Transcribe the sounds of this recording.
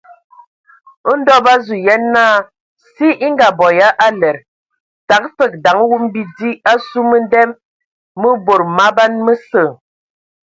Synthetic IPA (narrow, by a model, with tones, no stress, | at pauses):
n̩˦dɔ˦ba˦zu˨jɛ˦nːaː˦˨ | si˦i˦ŋɡa˨bɔ˨ja˦ʔa˦lɛ˨ɾ | ta˨˦k̚fə˦˨k̚da˨˦ŋ˦wu˦m˦bi˦di˦a˦su˦mə˦n˦dɛ˦mː | ə˦bo˨ɾma˦ba˦nmə˦sə˨